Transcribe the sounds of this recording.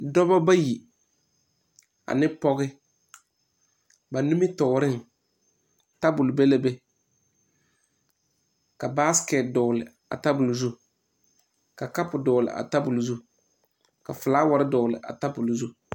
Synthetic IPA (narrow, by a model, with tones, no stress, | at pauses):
dɔ˦bɔ˦ba˦ji˨ | a̰˨nɪ˦pɔ˦ɣɪ˦ | ba˨nu˦mi˦tɔ˨ɾɪ˦˨ŋ | ta˦bʊ˨lʊ˨be˦le˦be˦ | ka˨ba˦skɛ˨tdɔː˨lɪ˨ | a̰˨ta˦bʊ˨lzu˦ | ka˨ka˦pʊ˨dɔ˨lɪ̰˨ʔa̰˨ta˦bʊ˨lzu˦ | ka˨fʊ˨laː˦wa˨ɾɪ˦dɔ˨lɪ̰˨ʔa̰˨ta˦bʊ˨lzu˦